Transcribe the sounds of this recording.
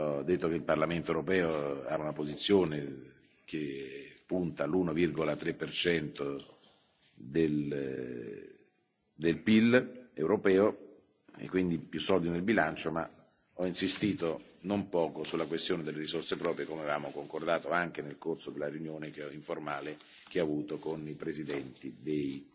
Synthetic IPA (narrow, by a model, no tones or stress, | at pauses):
ɔd̪ːet̪ːokeilparlament̪oeuɾopɛːoa̰unapozit̪sːjoːne | kepːunt̪alunovirɡolat̪ɾepːert͡ʃɛnt̪o | d̪el | d̪elpilewɾopɛːo | ḛkːwind̪ipjusːɔld̪inelbilant͡ʃoma̰ | ɔinsist̪iːt̪o | nompɔːkosulːakwest̪joːned̪elːeɾizorsepɾɔːpɾjekomeavaːmokoŋkord̪aːt̪oaŋk̟enelkorsod̪elːareunjoːnekeɔiɱformaːle | k̟eavuːt̪okonipɾezid̪ɛnt̪id̪ej